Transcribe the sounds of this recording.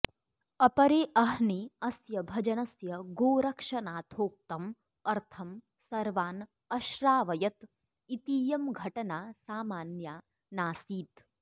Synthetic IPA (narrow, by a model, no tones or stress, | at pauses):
ɐpɐɾeːʔɐɦniɐsjɐbʱɐd͡ʒɐnɐsjɐɡoːɾɐkʂɐnaːt̪ʰoːk̚t̪ɐm | ɐɾt̪ʰɐm | sɐɾʋaːn | ɐʃɾaːʋɐjɐt̪ | it̪iːjɐmɡʱɐʈɐnaːsaːmaːnjaː | naːsiːt̪